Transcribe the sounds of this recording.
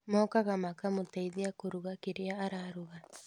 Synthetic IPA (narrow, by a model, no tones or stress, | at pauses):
mɔːkaɣamakamotaiðiakoɾuɣakeɾeaːɾaɾuɣa